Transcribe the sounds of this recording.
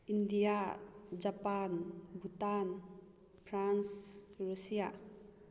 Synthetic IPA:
ʔindijad͡ʒapanbut̪an | fʰɾansrusija

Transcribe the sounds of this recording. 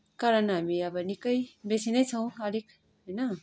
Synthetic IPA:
kaɾʌnɦamiʌbʌnikʌjbesinʌjt͡sʰʌw̃ʌlik | ɦojnʌ

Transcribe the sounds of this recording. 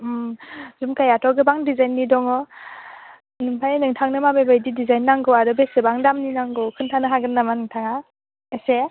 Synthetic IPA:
zumkajatʰɔɡɯbaŋdizajnːidɔŋɔ | nɯŋtʰajnɯŋtʰaŋnɯmabebajdidizajnːaŋɡɯwadɔbesɯbaŋdamninaŋɡɯwkʰɯntʰanɯɦaɡɯnːamanɯŋtʰaŋa | ese

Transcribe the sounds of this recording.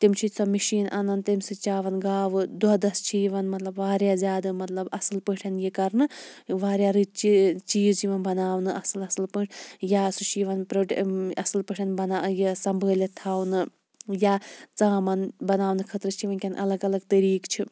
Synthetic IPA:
t̪imt͡ʃʰit͡sɐmiʃiːnʔɐnɐnt̪imsɨt͡ʃaːʋɐnɡaːʋɨd̪ɐd̪ɐst͡ʃʰiʋɐnmɐt̪lɐbʋaːɾjaːzʲjaːd̪ɨmɐt̪lɐbɐsɨlpɨʈʰɐnjikɐɾnɨʋaːɾjaːɾɨt͡ʃit͡ʃiːzt͡ʃiʋɐnbɐnaːʋnɨʔɐslɐsɨlpɨːʈʰjaːsut͡ʃʰiːʋɐnpɾoʈɐslpɨʈʰʲɐnbɐnajesɐmbʱəːlʲet̪ʰaːʋnɨ | jaːt͡saːmɐnbɐnaːʋnɨkʰɐt̪ɾɨt͡ʃʰiʋɐnkʲɐnʔɐ̰lɐɡɐlɐɡt̪ɐɾiːkt͡ʃʰi

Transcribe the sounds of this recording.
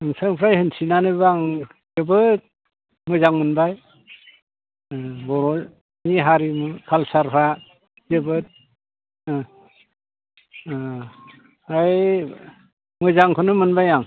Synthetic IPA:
ɯŋsaŋpʰɾajhɯnsʰinanɯbaŋ | zɯbɯt̚ | mɯzaŋmɯnbaj | bɔɾɔ | niɦaɾimɯkʰalsaɾpʰa | d͡ʒebɯt̚ | aj | mɯzaŋkʰɯnɯmɯnbajaŋ

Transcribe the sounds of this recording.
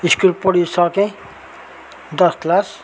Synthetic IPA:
iskulpɔɽisʌkẽ | d̪ʌsklas

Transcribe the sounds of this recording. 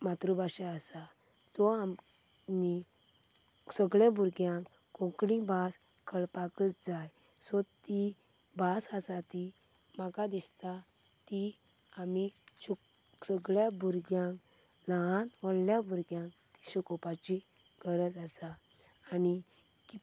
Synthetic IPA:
mat̪ɾubaɕɛasa | t̪ɔam | ɲi | səɡɭjãbʱuɾɡjãŋk | kɔ̃kɽĩbas | kʰəɭpakət͡sd͡zaj | sɔt̪i | basasat̪i | makad̪ist̪a | t̪i | amiɕu | səɡɭjabʱuɾɡjãŋk | laɦãt̪ʋɔɽljabʱuɾɡjãŋkt̪i̥ɕukɔpat͡ɕi | ɡəɾəd͡zasaː | ni | ki

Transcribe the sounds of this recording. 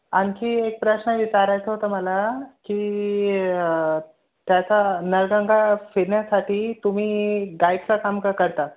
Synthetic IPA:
ankiːek̚pɾəɕɳəʋit͡saɾajt͡səɦot̪əməlaki | t̪jat͡sanəɾɡə̃ŋɡʱafeɳjasaʈʰiːt̪um̤iːɡajk̚t͡sakamkakəɾt̪at̪

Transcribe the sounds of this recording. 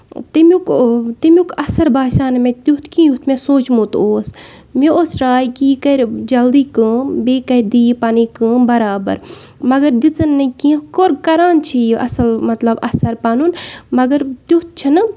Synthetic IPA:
t̪imukt̪imʲukʰɐsɐɾbaːsaːnmẽt̪ut̪ʰkĩjut̪ʰmẽsoːt͡ʃmũːt̪oːs | mioːsɾaːjkiːkɐɾʲd͡ʒɐld̪iːkə̃ːbeːkɐɾd̪iːjpaːnikɨːbɐɾaːbɐ̰ɾmɐɡɐɾd̪it͡sɐnːɨkĩːkoːɾkɐɾaːnt͡ʃʰijiʔɐ̰sɐlmɐt̪lɐbɐsɐɾpaːnunmɐɡɐɾt̪jut̪̚t͡ʃʰɐnɨ

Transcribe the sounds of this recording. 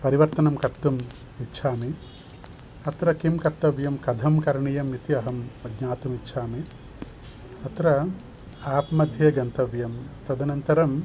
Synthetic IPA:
pɐɾiʋɐɾt̪ɐnɐmkɐt̪ːum | itːʃʰaːmi | ɐt̪ɾɐkimkɐt̪ːɐʋjɐmkɐd̪ʱɐmkɐɾɳijɐmit̪iɐɦɐmɐɡɲaːt̪umitːʃʰaːmi | ɐt̪ɾɐ | aːpmɐd̪ʱjɐɡɐnt̪ɐʋjɐmt̪ɐd̪ɐnɐnt̪ɐɾɐm

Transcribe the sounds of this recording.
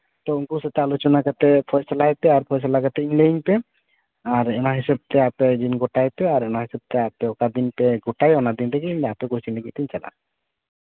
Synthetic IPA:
t̪ouŋɡuset̪ealot͡ʃonakat̪epʰɔjsalajpeaɾpʰɔjs̬alaɡat̪einlaiŋpe | aɾemaɦiʃeb̚t̪eaped̪inɡoʈajpeaɾemaɦiseb̚t̪eapeokad̪inpeɡoʈajɔnad̪int̪ekinapeɡosinleɡit̪int͡ʃɛla̰

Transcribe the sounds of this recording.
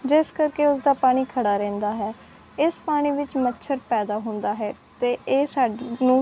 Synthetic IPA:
d͡ʒɪskəɾkeːʊsd̪aːpaːɽ̃iːkʰəɽaːɾɛ̃ːnd̪aːɦɛː | ɪspaːɽ̃iːʋɪt͡ʃmətːʃʰəɾpɛːd̪aːɦʊ̃nd̪aːɦɛː | t̪eːʔeːsaːnũː

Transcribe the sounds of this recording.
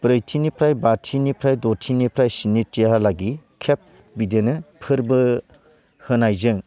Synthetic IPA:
pɾɯjtʰinipʰɾajbatʰinipʰɾajdotʰinipʰɾajsinitjaɦalaɡikʰep̚ | bidenɯpʰɯɾbɯ | hɯnajzɯŋ

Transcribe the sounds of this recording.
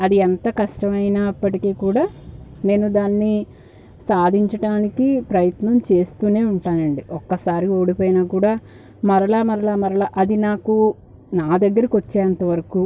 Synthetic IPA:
ɐd̪iɛnt̪ɐkɐʂʈɐmɐjnaːɐpːɐʈikeːkuːɽaːne̞ːnud̪aːnːi | saːd̪ʱiɲt͡ʃɐʈaːnikipɾɐjɐt̪nɐmt͡ʃe̞ːst̪uːne̞ːuɳʈaːnɐɳɖiʔɔkːɐsaːɾio̞ːɽipoːjinaːkuːɽaː | mɐɾɐlaːmɐɾɐlaːmɐɾɐɭaːʔɐd̪inaːku | naːd̪ɐɡːɐɾikʋot͡ʃːɛːɐnt̪ɐʋɐɾɐku

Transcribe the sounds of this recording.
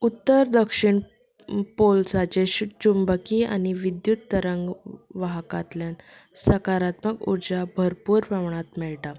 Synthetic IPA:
ut̪ːəɾd̪əkʂiɳ | polsat͡ɕeɕt͡ɕumbəkia̰ñiʋid̪jut̪ːəɾəŋɡʋaɦkat̪ljansəkaɾat̪məkṵɾd͡ʑabʱəɾpuːɾpaʋɳ̃at̪mɛɭʈa

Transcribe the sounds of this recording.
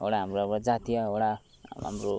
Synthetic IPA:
ɦoɽaɦamroapad͡zat̪ijaɦoɽa | ɦa̰mro

